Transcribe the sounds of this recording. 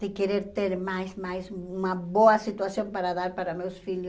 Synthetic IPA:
d̪ekeɾeɾt̪eɾmajsmajsunaβoasit̪wasjompaɾaðaɾpaɾamewsfil

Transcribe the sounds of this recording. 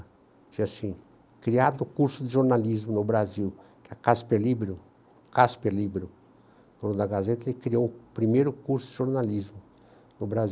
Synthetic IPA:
t͡ʃĩasĩ | kɾiad̪ʊːkuɾsʊd̪ɪʒoɾnalizmʊnʊbɾaziwkɛkaspelibɾʊ | kaspelibɾiʊ | d̪̥õnʊd̪ɐɡazet̪ɐekɾiowʊpɾimejɾʊkuɾsʊd̪ɪʒoɾnalizmʊ | nʊbɾazi

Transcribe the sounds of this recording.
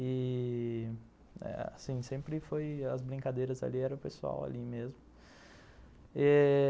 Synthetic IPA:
ɪ | ɛ̰a̰sĩsẽmpɾɪfojɐzbɾĩŋkad̪ejɾɐza̰liɛɾɐpesua̰wa̰limezmʊ | ɛ

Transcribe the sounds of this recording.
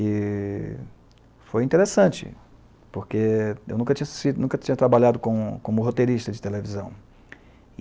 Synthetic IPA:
ɪ | fojĩt̪eɾesɐ̃nt͡ʃɪ̰ | poɾkeewnũkɐt͡ʃĩɲɐst͡ʃid̪nũkɐt͡ʃĩɲɐt̪ɾabaʎad̪ʊkõkõmʊɦot̪eɾiʃt̪ɐd͡ʒɪt̪elevizɐ̃w̃

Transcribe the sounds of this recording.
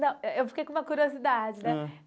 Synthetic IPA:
nɐ̃w̃ewfi̥kejkõũmɐkuɾiozid̪ad͡ʒɪnɛ

